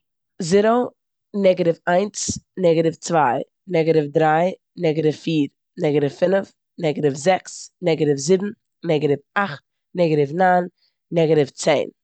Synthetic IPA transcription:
zɪɾo | nɛɡəɾɪfaɪnt͡snɛɡəɾɪft͡svaɪ | nɛɡəɾɪfdɾaɪ | nɛɡəɾɪfːiːɾ | nɛɡəɾɪfːɪnəf | nɛɡəɾɪfzɛksnɛɡəɾɪfzɪbm̩ | nɛɡəɾɪfaχt̚ | nɛɡəɾɪfnanː | ɛɡəɾɪft͡seɪn

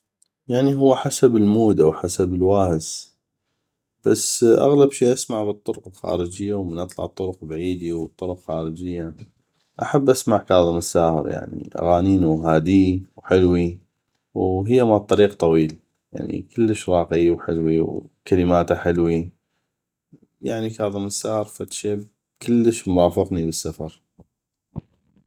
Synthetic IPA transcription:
jaʕniɦʊwːħasabəlmuːd̪awħasabɪlwaːhəs | b̥asːʔa̰ɣlabʃiːʔasmaʕbɨt̪ˤːʊɾʊqɪlxa̰ːɾəd͡ʒɪjːawmənʔɑt̪ˤlɑ̰ʕt̪ˤːʊɾʊqbaʕiːd̪iwt̪ˤːʊɾʊqxaːɾəd͡ʒɪjːa | ʔaħabːʔasmaʕkɑːðˤəmɪsːaːhə̰ɾja̰ʕnḭʔa̰ɣaːniːnuɦaːd̪iwħɪlwi | wɦəjːamaʕt̪ˤːɑɾiːqt̪ˤɑwiːl | ja̰ʕnḭkəlːəʃɾˤɑːqɪwħɪ̰lwiwkaləmaːt̪aħɪlwi | jaʕnikɑːðˤɨməsːaːhəɾˤfat̪ʃeːb | kəlːəʃmɾˤɑːfɪqnibəsːafɑɾˤ

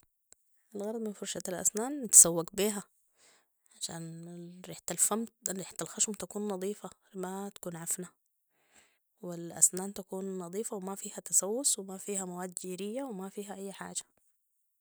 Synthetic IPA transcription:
ʔalɣɑɾˤd̪ˤmɪnfʊɾˤʃaalʔa̰snaːnt̪ḁsawːakbiːɦa | ʕaʃa̰ːnɾiːħt̪alfamɾiːħt̪alxaʃʊmt̪akuːnːɑðˤiːfamat̪ḁkuːnʕafna | wɪlʔa̰snaːnt̪akuːnːɑðˤiːfawɪmafiːhat̪asawːʊswɪmafiːhamawaːd̪d͡ʒiːɾɪjːawɪmafiːɦaʔajːħa̰ːd͡ʒḁ

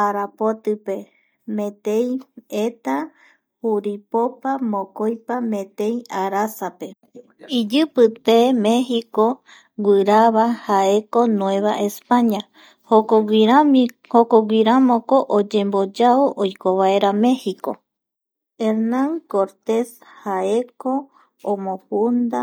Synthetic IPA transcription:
aɾapo̞t̪ɨpe̞ | mẽ̞t̪e̞jet̪a | huɾipopamõkojpamẽ̞t̪e̞jaɾasape̞ | id͡ʒɨpɨt̪emẽ̞hiko | ɡɨɾaβahae̞ko̞nw̃ẽ̞βaʔe̞spaɲa | hoɾahokoɡʷiɾamõkoʔod͡ʒẽ̞mbo̞d͡ʒaoʔojkoβae̞ɾame̞hiko | eɾnãŋkoɾt̪e̞s | hae̞ko̞ | õmõhund̪a

